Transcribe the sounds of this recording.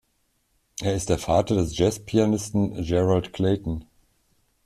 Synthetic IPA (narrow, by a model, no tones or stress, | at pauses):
ʔeːɐɪstd̥eːɐfaːtɐdɛsʒ̥ɛspʰianɪstn̩d͡ʒɛʁaltkʰl̥eːtn̩